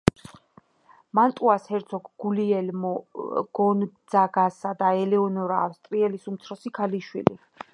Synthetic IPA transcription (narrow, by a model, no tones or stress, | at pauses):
mant̪ʼuashɛɾt̪sʰɔkɡ̥uliɛlmɡ̥ɔnd̪zaɡasad̪aɛlɛɔnɔɾaːfst̪ʼɾiɛlisumt̪sʰɾɔsikʰaliʃwḭlḭ